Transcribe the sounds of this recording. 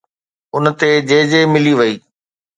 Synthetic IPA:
ʊnt̪ed͡ʑeːd͡ʑemɪliʋɐiː

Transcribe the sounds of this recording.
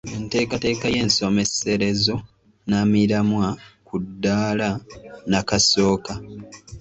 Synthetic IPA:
ente̞ːkate̞ːkaje̞ːnso̞me̞se̞ɾe̞zo̞ | namiɾamwakudːaːlanakaso̞ːka

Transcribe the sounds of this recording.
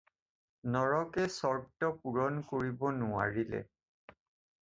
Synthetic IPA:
nɔɹɔkɛsɔɹtɔpuɹɔnkoɹibɔnʊwa̰ɹilɛ̰

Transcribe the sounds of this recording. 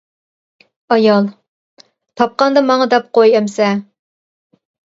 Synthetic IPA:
ɑjɑlˠ | t̪ʰɑp̚qɑnd̪ɑmɑŋɑd̪ɛp̚qojɛmsɛ

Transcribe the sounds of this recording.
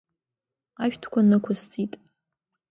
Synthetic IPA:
aɥᶣtʰkʷʰanɨkʷʰʊzt͡sʼitʼ

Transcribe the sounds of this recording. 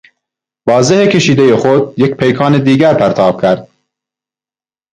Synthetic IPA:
vɑːzehekʰeʃiːd̪ejexod̪̚jek̚pʰejkʰɑːned̪iːɡæɾpʰæɾt̪ʰɑːb̥kʰæɾd̪̥̚

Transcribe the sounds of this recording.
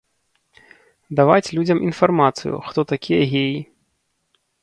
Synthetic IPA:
d̪avat͡sʲlʲud͡zʲɐmʔinfarmat̪sɨ̰jṵxt̪ɔt̪akʲʰijɐɣʲeji

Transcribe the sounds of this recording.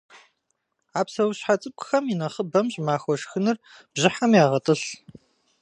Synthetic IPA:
aːpsɐwɕħat͡sʼɨp̚kʷʰʼʊxɐminɐχəbɐmʑʼmaːxʷɔʃxɨnɨr | b̥ʑɪħamjaːʁɐtʼɨɬ

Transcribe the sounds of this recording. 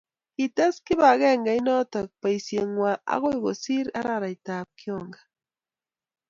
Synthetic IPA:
kit̪eskɪβaɣeŋɡajnot̪ak̚pajsjeŋwaʔa̰ɣojɡosiɾaɾaɾajt̪ap̚kjoŋɡa

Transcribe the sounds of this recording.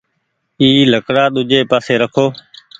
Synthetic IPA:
iːləkɽaːɗ̪ʊd͡ʒeːpaːseːɾəkʰoː

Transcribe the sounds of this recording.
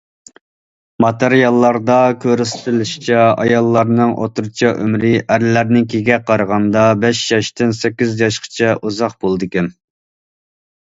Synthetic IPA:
mɑt̪eɾijɑlˠːɑɾd̪ɑkʲʰøɾɪst̪ɪlɪʃi̥t͡ʃʰɛɑ̰jɑlˠːɑɾnɨŋʔo̰t̪ʰuɾt͡ʃʰɑʔø̰mɾɪʔæɾlæɾnɪŋkʲʰeɡʲɛqʰɑɾəʁɑnd̪ɑbɛʃjɑʃt̪ɪnsɛkʲːizjɑʃqʰə̥t͡ʃʰɛʔuzɑqb̥olˠd̪ɨkʲɛn

